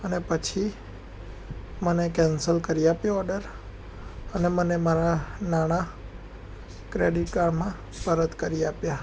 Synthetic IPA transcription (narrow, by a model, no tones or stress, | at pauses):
ənepət͡ʃʰi | mənekɛ̃nsəlkəɾiapjoɔɾɖəɾ | ənemənemaɾanaɽ̃a | kɾeɖiʈkaɾmã | pəɾət̪kəɾiapja